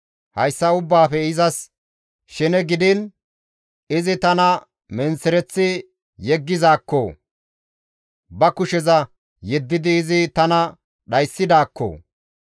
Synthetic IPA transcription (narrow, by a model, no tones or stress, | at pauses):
hɐjsːɐʊbːaːfɛɪzɐs | ʃɛnɛɡɪd̪ɪn | ɪzɪt̪ɐnɐ | mɛnsɛɾɛt͡sːɪ | jɛɡːɪzaːkːo̰ː | bɐkʊʃɛzɐ | jɛd̪ːɪd̪ɪːzɪt̪ɐnɐ | ɗɐjsːɪd̪aːkːo̰ː